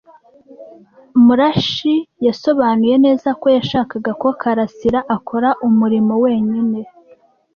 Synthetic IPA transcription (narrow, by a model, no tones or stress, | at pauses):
muɾaʃijaso̞βanuje̞ne̞ːzako̞jaʃaːkaɡakokʰaɾasiɾaʔakʰo̞ɾaʔumuɾimo̞we̞ːɲine̞